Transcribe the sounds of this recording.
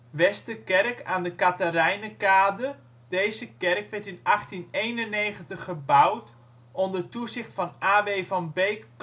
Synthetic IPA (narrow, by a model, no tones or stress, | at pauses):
ʋɛstəkɛrkaːndəkatərɛjnəkaːdə | d̥ejzəkɛrkʋɛɹtɪnɑχtinejnənejχəntəχːəbawt | ɔndərtuzɪχtfɑnʔaːʋejvɑnbejkː